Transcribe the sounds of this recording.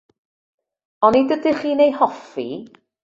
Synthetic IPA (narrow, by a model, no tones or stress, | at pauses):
ɔnidədiχiːnejhɔfḭ